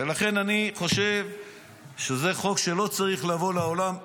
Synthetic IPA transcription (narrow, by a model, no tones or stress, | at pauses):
elaχe̞naniχo̞ʃev | ʃeze̞χo̞kʃelo̞t͡saʁiχlavo̞laolam